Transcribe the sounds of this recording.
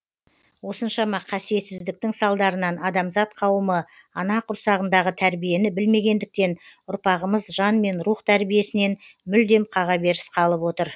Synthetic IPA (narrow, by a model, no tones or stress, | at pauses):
wo̞sənʃɑmɑqʰɑsije̞t̪sɪzd̪ɪk̚t̪ɪŋsɑlˠd̪ɑɾənɑnɑd̪ɑmzɑt̪qʰɑwəmə | ɑnɑqʰʊɾsɑʁənd̪ɑʁət̪ʰæɾbije̞nɪbɪlme̞ɡʲe̞nd̪ɪk̚t̪e̞nʊɾpɑʁəməzʒɑnme̞nɾuχt̪ʰæɾbije̞sɪne̞n | mʏld̪e̞mqʰɑʁɑbe̞ɾɪsqʰɑlˠəpwo̞t̪əɾ